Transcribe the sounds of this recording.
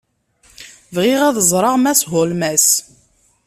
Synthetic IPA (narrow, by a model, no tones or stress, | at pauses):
vʁɪʁæðəzˤɾˤɑʁmæsɦʊlmæs